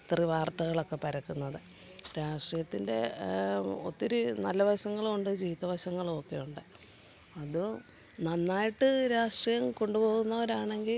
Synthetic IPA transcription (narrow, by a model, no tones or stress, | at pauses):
t̪riʋaːrt̪ɐɣɐɭo̞kːe̞pɐɾɐkːunːɐðɨ | ɾaːʂʈijɐt̪ːinde̞̰ | ot̪ːiɾunɐlːɐʋɐɕɐŋːɐɭuɳɖɨd͡ʑiːʋit̪ɐʋɐɕɐŋːɐɭokːe̞juɳɖɨ | ɐðu | nɐnːaːjiʈːɨɾaːʂʈrijɐmko̞ɳɖupo̞ːɣunːɐoɾaːɳe̞ŋɡil